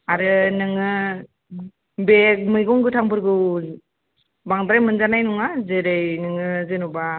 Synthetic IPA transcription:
aɾɯnɯŋɯ | bek̚mɯjɡɔŋɡɯtʰaŋbɯɾɡɯ | baŋdɾajmɯnzanajnuŋazeɾajnɯŋɯzenuba

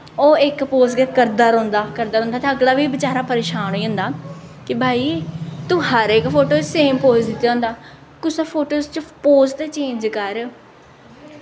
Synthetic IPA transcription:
oːɪkpoːzɡet̪kəɾd̪aːɾõːnd̪aːkəɾd̪aːɾõːnd̪aːt̪ẽəɡlaːʋiːbɪt͡ʃaːɾaːpəɾeːʃaːnɦoːiːɦʊ̃ːnd̪aː | kɪbʱaːiːt̪ũːɦəɾeːkpʰoːʈoːseːmpoːzd̪ɪt̪ːjaɦʊ̃ːnd̪aː | kʊsaːpʰoːʈoːst͡ʃpoːzt̪et͡ʃẽːɲd͡ʒkəɾ

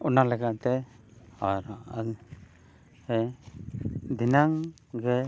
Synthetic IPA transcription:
unalɛɡaʔt̪ɛ | aɾa | ɛ | d̪inaŋ | ɡɛ

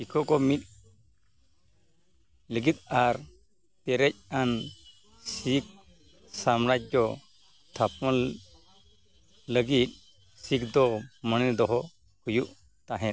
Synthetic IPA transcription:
ikʰɔkɔmit̪̚ | ləɡit̪̚ˀaɾ | t̪ɛɾɛc̚an | sik̚ | samɾac̚d͡ʒɔ | t̪ʰapmɔ | ləɡit̪̚ | sikd̪ɔməñɛd̪ɔɦɔ | hujuʔ | t̪aɦɛ̃t̪

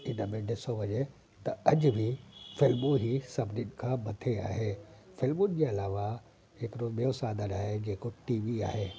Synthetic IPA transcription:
ɪnəmẽɖɪsoʋɐɲe | t̪ɐɐd͡ʑʊ̆bʱifɪlmũɦisɐbʱnɪnɪ̆kʰãːmɐt̪ʰea̰ːɦeː | fɪlmʊnɪ̆d͡ʑeːɐlaːʋa | ɦɪkɪɾobiosaːd̪ʱəɾaːɦed͡ʑeːkoʈiːʋia̰ːɦeː

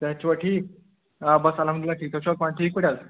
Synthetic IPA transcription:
t̪jat͡ɕʋaʈʰiːk | bəsalãməd̪ilaʈʰiːk̚t̪at͡ɕʋakaɳʈʰiːkəɽjal

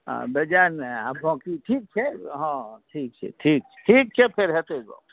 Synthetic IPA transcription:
ã̰bed͡ʒanabʱɔ̃kiʈʰiːk̚t͡ʃʰɛɦãʈʰiːk̚t͡ʃʰɛ̰ʈʰiːk̚t͡ʃʰɛ̥ʈʰiːk̚t͡ʃʰɛpʰeɾɦet̪eɡo̰

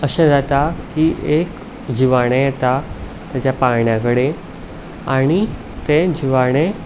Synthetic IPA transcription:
əɕẽd͡zat̪akiʔek | d͡ʑiʋaɽ̃ejet̪a | t̪jat͡ɕjapaɳjãkəɽe | aɽ̃i | t̪ẽd͡ʑiʋaɽ̃e

